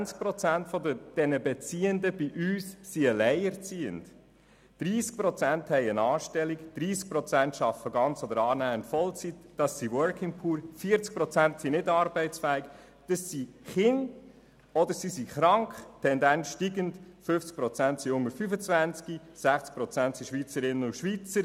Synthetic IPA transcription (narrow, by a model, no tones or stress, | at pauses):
nt͡sk̚pɾɔt͡sæntfɔdəd̥ɛnəbɛt͡siːəndəb̥iʔyːsːiəlɛɪəɾt͡siːə̰nd | d̥ɾiːsk̚pɾɔt͡sænthɛɪənɑːʃtɛlikd̥ɾiːsk̚pɾɔt͡sæntʃɑfəɡɑnt͡sɔd̪əɾɑːnæːəntfɔlt͡sitd̥ɑsːiwœɾkʰɪŋpʰuːɾfiəɾt͡sk̚pɾɔt͡sænt̪sinɪdɑɾbɛɪtt͡sfæːik | d̥ɑsːiχɪn | ɔd̪əɾsisiχɾɑŋkχtʰɛndænsʃtiɡəntfʏft͡sk̚pɾɔt͡sæntsiʊŋːəɾfyfət͡svænt͡ski | sæχt͡sk̚pɾɔt͡sæntsiʃʋit͡səɾɪnəʊʃʋit͡səɾ